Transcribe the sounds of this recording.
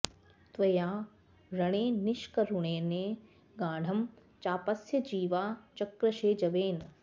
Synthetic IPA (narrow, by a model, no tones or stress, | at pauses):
t̪ʋɐjaː | ɾɐɽ̃eːnɪʃkɐɾuɳeːneː | ɡaːɖ̤ʱɐm | t͡ʃaːpɐsjɐd͡ʒiːʋaːt͡ʃɐkɾɐʃeːd͡ʒɐʋeːn